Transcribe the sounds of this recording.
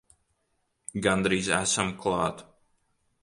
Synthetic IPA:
ɡand̪ɾiːzæ̰samklˠɑːt̪

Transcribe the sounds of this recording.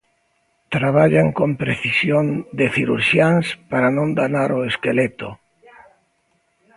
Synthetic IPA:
t̪ɾaβ̞aʎaŋkõmpɾeθisjond̪eθiɾṵɾʃjanspaɾanõŋd̪anaɾoeskelet̪o

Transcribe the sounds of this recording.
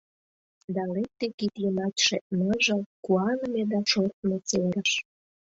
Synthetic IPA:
d̪ɑlek̚t̪ekit̪jəmɑt̪ʲʃenəʒəkuɑnəmed̪ɑʃort̪met͡selɾəʃ

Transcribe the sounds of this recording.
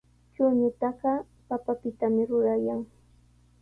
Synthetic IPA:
t͡ʃʊɲʊt̪ɑɢɑ | papapɪt̪amɪɾʊɾajaŋ

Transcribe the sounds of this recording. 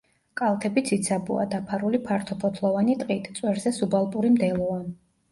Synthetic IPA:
kʼalˠt̪ʰɛbit̪sʰit̪sʰabṵa̰d̪apʰaɾulipʰaɾt̪ʰɔpʰɔt̪ʰlˠɔvanit̪ʼqʼit̪ʰʼt̪sʼwɛɾzɛsubalˠpʼuɾimd̪ɛlˠɔvan

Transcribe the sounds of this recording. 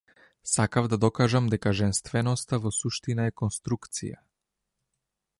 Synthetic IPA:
sakavd̪ad̪ɔkaʒamd̪ɛkaʒɛnst̪vɛnɔst̪avɔsuʃt̪inaɛkɔnst̪ɾukt̪sḭja̰

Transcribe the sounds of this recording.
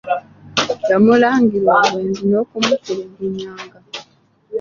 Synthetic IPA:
jamulaːŋɡiɾwaːwweːnzino̞ːkumukuleɡiɲːaːŋɡa

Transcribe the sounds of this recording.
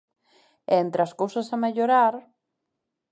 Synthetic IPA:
ɛent̪ɾaskowsɐsameʎoɾaɾ

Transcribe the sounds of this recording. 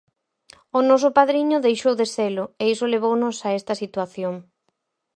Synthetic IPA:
ʊnɔsʊpaðɾiɲʊðejʃowðeselʊeisʊleβ̞ownʊsaɛst̪ɐsit̪waθjoŋ

